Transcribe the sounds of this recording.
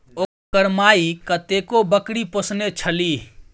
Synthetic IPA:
o | kəɾmaikət̪ekobəkɽiposnet͡ʃʰəli

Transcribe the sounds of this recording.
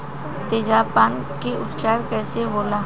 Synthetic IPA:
t̪eːd͡ʒaːpaːn | keʊt̪t͡ʃaːɾkɛːseboːla

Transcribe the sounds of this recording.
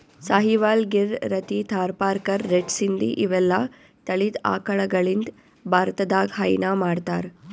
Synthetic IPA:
saːɦiʋaːlɡiɾɾɐt̪it̪ʰaːɾpaːɾkɐɾːeɖsind̪ḭʔiʋɛlːɐ | t̪ɐɭid̪a̰ːkɐɭɐɡɐɭind̪ | bʱaːɾt̪ɐd̪aːɡɦɐjnamaːɽt̪aːɾ

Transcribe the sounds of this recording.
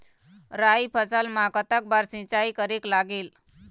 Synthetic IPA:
ɾaipʰəsalmakət̪ak̚baɾsĩt͡ɕaikəɾeklaɡeːl

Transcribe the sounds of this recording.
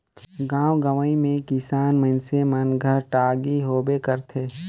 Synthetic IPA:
ɡãːwɡəʋəimẽkɪsaːnmə̃nsemənɡʱəɾʈaːɡiɦoːbekəɾt̪ʰeː

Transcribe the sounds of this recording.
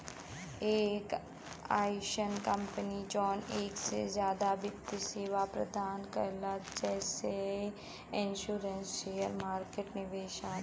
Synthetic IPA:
eːk | a̰ːjʃənkə̃mpənid͡ʒɔːneːksḛzjaːd̪abɪt̪ːiseːʋapɾɐ̰d̪aːnkəɾlad͡ʒɛːse | ɪ̃nʃuːɾənsʃeːjəɾmaːɾkeːʈnɪʋeːʃaː

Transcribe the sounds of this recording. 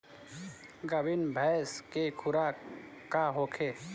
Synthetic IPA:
ɡəbinbʱɛːskekʰʊɾakaɦoːkʰeː

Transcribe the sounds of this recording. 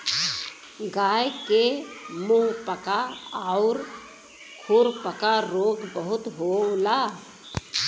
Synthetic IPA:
ɡaːjkemũpəkaaʊɾ | kʰuːɾpəkaɾoːɡbəɦʊt̪ɦola

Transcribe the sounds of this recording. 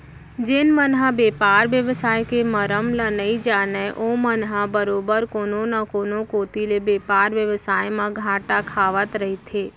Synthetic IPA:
d͡ʒenmənɦãbepaɾʋjəʋsajkeməɾəmlənəĩd͡ʒaneʔomənɦabəɾobəɾkononəkonokot̪ilebepaɾʋjəʋsajmãɡʱãʈakʰaʋət̪ɾəɦit̪ʰe

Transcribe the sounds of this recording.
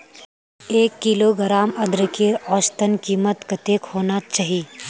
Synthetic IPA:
eːkːɪloːɡɾaːmɐd̪ɾəkeːɾɔːst̪ənkiːmət̪kɐt̪eːkhoːnat͡ʃaːɦie

